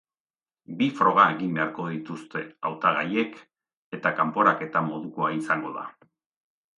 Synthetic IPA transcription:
bifɾo̞ɣ̞ae̞ɣimbe̞aɾko̞ðit̪ust̪e̞awt̪aɣaje̞k | e̞t̪akampo̞ɾake̞t̪amo̞ðuko̞aisaŋɡo̞ða̰

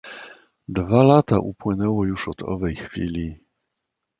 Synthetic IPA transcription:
d̪valat̪aʔupwɘnɛwɔjuʂɔd̪ɔ̰vɛjxfʲḭlʲi

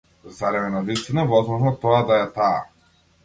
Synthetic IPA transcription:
zaɾɛmɛnaliʃt̪inɔvɔzmɔʒnɔt̪ɔad̪aɛt̪a̰ː

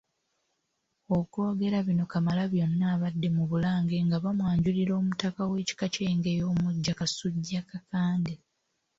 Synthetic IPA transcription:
oko̞ːɡe̞ɾaβino̞kamalaβjo̞nːaːβadːe̞muβulaːŋɡe̞ŋɡaβamwaːɲɟuliɾo̞ːmutakawe̞ːci̥kace̞ːŋɡe̞jo̞ːmuɟːakasuɟːakakaːnde

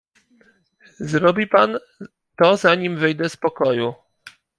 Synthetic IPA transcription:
zɾɔbʲipan | t̪ɔzaɲimvɘjd̪ɛspɔkɔju

